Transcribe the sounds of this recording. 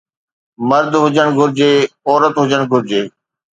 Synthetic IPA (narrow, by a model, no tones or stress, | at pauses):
mɐɾd̪ʱɦʊd͡ʑəɽ̃ɡʱʊɾɪd͡ʑeːɔːɾət̪ɦʊd͡ʑəɽ̃ɡʱʊɾɪd͡ʑeː